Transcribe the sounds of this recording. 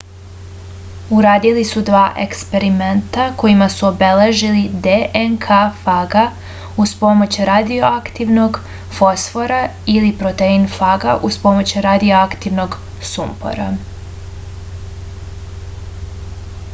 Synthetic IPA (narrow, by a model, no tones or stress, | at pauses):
uɾaːd̪ilisud̪ʋaːʔḛkspe̞ɾiment̪ako̞jimasuobe̞le̞ʒilid̪eʔenkʰafaɡa | uspo̞mo̞t͡ɕɾad̪ioakt̪iʋno̞ɡ | fo̞sfo̞ɾailipɾo̞t̪einfaɡaʔuspo̞mo̞t͡ɕɾad̪ioakt̪iʋno̞ɡ | sumpo̞̰ɾa